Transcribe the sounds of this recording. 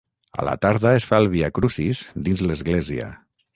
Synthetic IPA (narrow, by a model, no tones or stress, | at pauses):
a̰lʔa̰t̪aɾðaesfalˠβiakɾusizd̪inzləzɣleziə̰